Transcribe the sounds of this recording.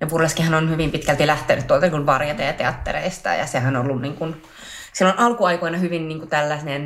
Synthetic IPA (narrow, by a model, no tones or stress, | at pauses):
jɑpurleskihɑnonhyʋimpit̪kælt̪ilæht̪enyt̪t̪ːuolt̪ɑnikunʋɑrjɑt̪ɑjɑt̪eɑt̪ːḛrḛist̪ɑ̰jɑ̰sehænolːunniːŋkun | silːonʔɑlkuɑikoinɑhyʋinniːŋkut̪ælːæsnen